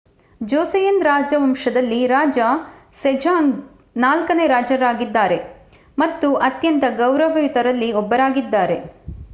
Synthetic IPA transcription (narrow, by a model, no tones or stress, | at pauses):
d͡ʒoːsɐjɐnd̪ɾaːd͡ʒɐʋɐmʂɐd̪ɐlːiɾaːd͡ʒɐsed͡ʒaːŋɡ | naːlkɐneːɾaːd͡ʒɐɾaːɡid̪ːaːɾe̞ | mɐt̪ːuʔɐt̪jɐnt̪ɐɡɐwɾɐʋɐjut̪ɐɾɐlːiɔbːɐɾaːɡid̪ːaːɾe̞